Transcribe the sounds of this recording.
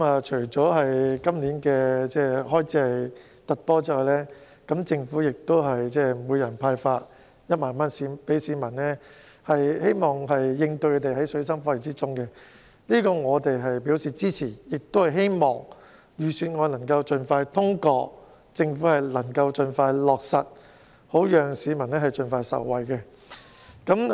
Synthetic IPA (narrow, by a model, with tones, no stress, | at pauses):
maː˨t͡ʃʰɵ˨˩ɥt͡sɔː˨˥ɦɐ˨jkɐ˥mliː˨˥nkɛː˧t͡sɛː˥hɔː˥jt͡sʰiː˨˥ɐ˨j | t̪ɐ˨t̚pɔː˥t͡siː˥ɔː˨˩jlɛː˥ | kɐ˨˥mt͡sɪ˧ŋfuː˨˥jɪ˨k̚t̪o˥wɦɐ˨jt͡sɛː˥muː˨˧jɐ˨˩npʰaː˧jfaː˧t̚ | jɐ˥t̚maː˨˩nmaː˥nsiː˧pe˨˥siː˨˧mɐ˨˩nnɛː˥ | hɐ˨jhe˥jmɔː˨˩ŋɦɐ˨jːɪ˧ŋt̪ɵ˧kʰɵ˨˧t̪e˨jɦɐ˨˥jsɵ˨˧˥sɐ˥mfaː˧˥li˨˩t͡siː˥t͡sʊ˥ŋkɛ˧ | liː˥kɔː˧ŋɔː˨˧t̪e˨jɦɐ˨jpiː˨˥wsiː˨˩t͡siː˥t͡sʰiː˨˩jɪ˨k̚t̪o˥whɐ˨jɦe˥jmɔː˨ŋ | jyː˨˩syː˨nŋɔː˨˧nɐ˨˩ŋkɐ˧wt͡ʃɵ˨nfaː˧jt̪ʰʊ˥ŋkɔː˧ | t͡sɪ˧ŋfuː˨˥hɐ˨jlɐ˨˩ŋkɐ˧wt͡ʃɵ˨nfaː˧jlɔː˨k̚sɐ˨t̚ | ho˨˥wjœː˨ŋsiː˨˧mɐ˨˩nɛː˥hɐ˨jt͡ʃɵ˨nfaː˧jsɐ̰˨˩wːɐ˨jkɛ˧ | kɐ˨˥m